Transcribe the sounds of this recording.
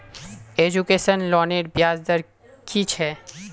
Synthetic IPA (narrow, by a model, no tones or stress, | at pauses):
ed͡ʑukeʃənlɔneɾbjad͡ʑd̪əɾ | kit͡ɕʰɛ